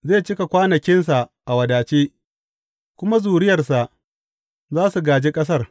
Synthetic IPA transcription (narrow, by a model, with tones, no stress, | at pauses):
zeː˦˨t͡ʃɪ˦ka˨kʷaː˦nɐ˨kʲɪ˦nsa˨ʔa˨wɐ˨daː˨t͡ʃeː˦ | kʷʊ˦ma˦zuː˨ɽɪ˦jɐ˨rsa˨ʔ | zaː˦su˨ɡaː˨d͡ʒe˦kʼɐ˦s̬ɐ˦˨r